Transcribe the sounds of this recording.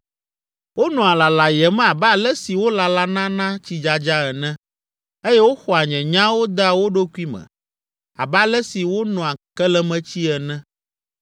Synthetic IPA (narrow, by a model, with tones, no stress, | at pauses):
wo˦nɔ̃˨a˨la˨la˨jɛ˨mɛ̃˦a˨ba˦˨lɛ˦si˨wo˦la˨la˦nã˦nã˦t͡ɕi˦d͡ʒa˨d͡ʒa˦ɛ˨nɛ̃˦ | e˦jɛ˦wo˦xɔ˨a˨ɲɛ̃˨ɲã˦wo˦d̪a˨wo˦ɖo˦kʷi˦mɛ̰̃˨ | a̰˨ba˦lɛ˦si˨wo˦nɔ̃˨a˨kɛ˦lɛ˦mɛ̃˦t͡ɕi˦ɛ˨nɛ̃˦